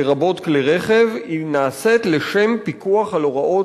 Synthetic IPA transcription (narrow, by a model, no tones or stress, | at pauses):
ʁabo̞t̪kliʁeχe̞vinaːse̞t̪leʃe̞mpikuaχaloʁaʔo̞